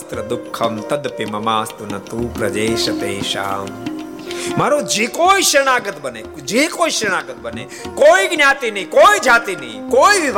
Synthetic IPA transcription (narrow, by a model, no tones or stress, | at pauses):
st̪ɾɐd̪ʊkʰːɐmt̪ɐd̪pimɐmaːst̪unɐt̪uːpɾɐd͡ʒeːʃɐt̪eːʃa̰ːm | maːɾod͡ʒiːkoːiʃɐɽ̃aːɡət̪bəne | d͡ʒiːkoːiʃẽaːɡət̪̚bənḛ | koːiɡnjaːt̪iniikoːid͡ʒaːt̪inḭːkoːiʋiʋ